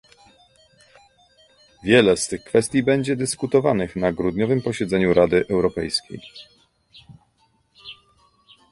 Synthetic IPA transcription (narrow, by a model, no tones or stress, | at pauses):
vʲjɛlɛst̪ɘxkfɛst̪ʲjibɛɲd͡ʑɛd̪ɘskut̪ɔvanɘxnaɡɾud̪ɲɔvɘmpɔɕɛd̪zɛɲuɾʔad̪ɘʔɛwɾɔpɛjskʲḛj